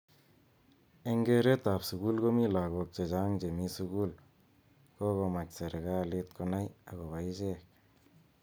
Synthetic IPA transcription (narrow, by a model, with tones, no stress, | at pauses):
e˦ŋɡe˦ɾe˦t̪a˨psu˨ɣu˦lɡomi˦la˨ɣo˧k̚t͡ʃe˨d͡ʒa˦ŋd͡ʒe˨mi˦suɣul | ko˦ɣo˧ma˨kse˨ɾɣalit̪̚ko˧na˦ja˨ɣo˨βajt͡ʃek̚